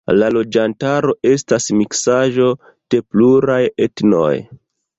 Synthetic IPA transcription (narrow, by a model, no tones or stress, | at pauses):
lalo̞d͡ʒantaɾo̞ʔe̞stasmiksaʒo̞ | d̥e̞pluɾajetno̞̰j